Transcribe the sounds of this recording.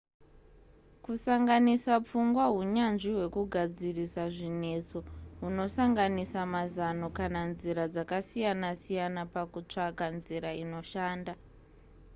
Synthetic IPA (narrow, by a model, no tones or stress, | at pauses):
kusaŋɡanisap͡fuŋɡwaɦuɲanʐiwe̞kuɡʱad͡zirisaʐine̞t͡so̞ɦuno̞saŋɡanisamazano̞kananziɾad͡zakasijanasijanapakut͡ʂakanziɾaino̞ʃaːnda